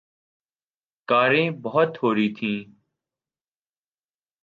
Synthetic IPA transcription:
kaːɾẽːbɔɦʊt̪hoːɾiːt̪ʰĩː

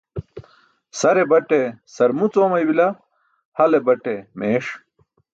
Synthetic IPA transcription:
sɐɾebɐʈesɐɾmut͡soːmɐjbilɐ | hɐlebɐʈemeːʂ

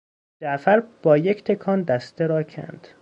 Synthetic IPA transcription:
d͡ʒæʔfæɾb̥ɒːject̪ʰekʰɒːnd̪æst̪ʰeɾɒːcʰæ̰nd̪̥

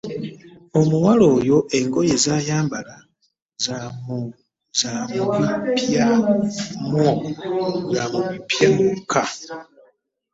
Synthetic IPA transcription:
o̞muwalo̞jo̞ʔe̞ŋɡo̞je̞zajaːmbala | z | zamuβipjamwoŋɡamuβipjamukʰa

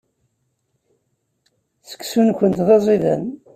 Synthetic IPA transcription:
θə̥kːsunkʷənt̪ðɑzˤiðæ̰n

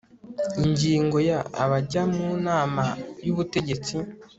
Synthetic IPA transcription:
iɲɟiːŋɡo̞ja̰ːβaɟamunaːmajuβute̞ɟe̞t͡si

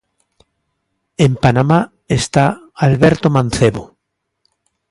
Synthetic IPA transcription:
empanama | est̪a | alβeɾt̪omãn̟θeβo

